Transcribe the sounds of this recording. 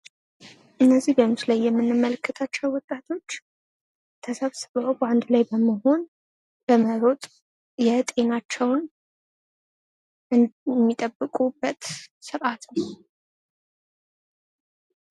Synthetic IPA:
ʔɨnːəzːihbənut̪lajːɛmːɨnːɨmːələkːət̪ʰat͡ʃːɛwwɔt̪ʼːat̪ʰo̞t͡ʃː | t̪ʰəsəβsɨβəwband̪lajbəməho̞n | b̥əməɾo̞t̪ʼ | jɛt̪ʼe̞nat͡ʃːɛwn | ɨmːit̪ʼəbːɨkʼubːət̪sɨɾʔat̪nəw

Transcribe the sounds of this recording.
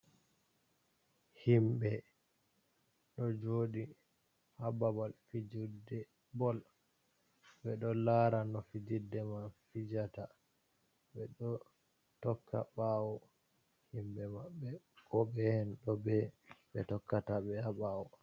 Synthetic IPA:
himbɛ | ɗɔd͡ʒoːɗi | hababalfid͡ʒudɛ | bɔl | bɛɗɔlaɾanɔfid͡ʒidːɛmafid͡ʒata | ɓɛɗɔ | tɔkʰːa̰ɓawɔ | himɓɛmaɓːɛ | kɔbɛhɛnɗɔbɛɓɛ̰tɔkːataɓɛhaɓawɔ

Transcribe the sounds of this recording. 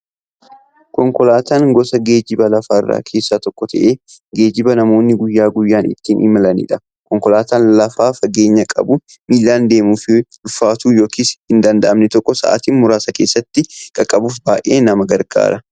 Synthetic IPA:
kɔŋkɔlaːt̪aːŋɡɔsɐɡe̞ːd͡ʒɪbɐlɐfaːɪrːa̰ːkʰe̞ːsːaːt̪ɔkːɔt̪ʰɐʔeː | ɡe̞ːd͡ʒɪbɐnɐmo̞ːnːɪɡʊjːaːɡʊjːaːnɪ̰t̪ːiːnʔɪ̰mɐlɐnḭːᶑɐ | kɔŋkɔlaːt̪aːnlɐfaːfɐɡe̞ːɲːɐkʼɐ̰bʊ | miːlːaːnd̪e̞ːmuːfɪlʊfːaːt̪uːjo̞ːkʰiːshɪnd̪ɐnd̪ɐʔɐmnɛt̪ɔkːɔsɐ̰ʔa̰ːt̪iːnmʊɾaːsɐke̞ːsːɐt̪ːɪkʼɐkʼːɐbuːfbaːʔeːnɐmɐɡɐɾɡa̰ːɾɐ

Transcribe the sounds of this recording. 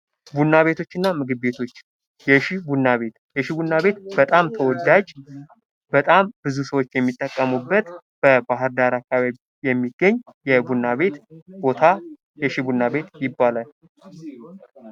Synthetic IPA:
bunːaβe̞t̪ʰo̞t͡ʃːɨnːamɨɡɨβbe̞t̪ʰo̞t͡ʃː | jɛʃibunːaβe̞t̪jɛʃibunːaβe̞t̪bət̪ʼamt̪ʰəwɔd̪ad͡ʒ | b̥ət̪ʼambɨzusəwo̞t͡ʃːjɛmːit̪ʼːəkʼːəmubːət̪ | b̥əbaɦɨɾd̪aɾakːaβaβi | jɛmːiɡːəɲːjɛbunːaβe̞t̪bo̞t̪ʰa | jɛʃibunːaβe̞t̪jɪbːalal

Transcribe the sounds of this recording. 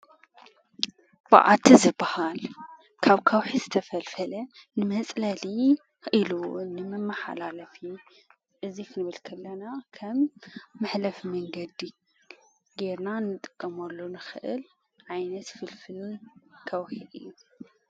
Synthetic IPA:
b̥a̰ʔa̰t̪ʰizɨbːahal | kʰaβkʰɐwħizɨt̪ʰɐfɐlfɐlɐnɨmɐt͡sʼlɐli | xʔilunɨmɐmːɐħa̰lalɐfi | ʔɨziknɨβɨlkʰɐlːɐnakʰɐmːɨħlɐfmɐŋɡɐd̪i | ɡeɾnanɨt̪ʼɨ̥kʼːɐmɐlːonɨxɨʔɨl | ʕajnɐt̪fɨlfikʰɐwħid̪ɨjːu

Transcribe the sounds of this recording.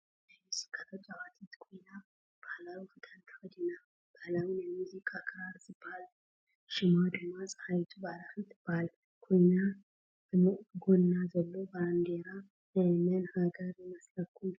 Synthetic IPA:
skʰʼːat̪ʰot͡ʃʼːaβat̪ʰit̪kʰujna | b̥ahlawufɨt̪ʰant̪ʰə̥wɔd̪ina | b̥alawinɛmuzikʼakʰɾaɾsɨb̥ːal | ʃɪmad̪ɨɡmasʼhajt̪ʰubalawit̪ʰːɨb̥ːal | kʰujna | b̥mɡonːazəlːoband̪eɾa | mɨnhaɡəɾjɛmasləkːul

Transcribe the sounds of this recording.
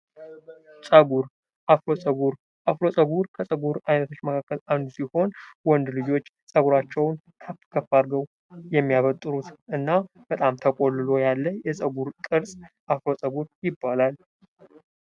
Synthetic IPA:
sʼəɡuɾ | ʔaflo̞sʼəβuɾ | ʔaflo̞sʼəβuɾkʰəsʼəɡuɾajnət̪ʰo̞t͡ʃːməkʰakːəland̪usiho̞nwɔnd̪lɨd͡ʒo̞t͡ʃː | sʼəɡuɾat͡ʃːɛwn | k̪ʰəfkʰəfaɾɡəw | jɛmːijaβət̪ʼːɨɾut̪ʔɨnːa | b̥ət̪ʼamt̪ʰəkʼo̞lːɨlo̞jalːəjɛsʼəɡuɾkʼɨɾsʼʔafɾo̞sʼəβuɾjɪbːalal

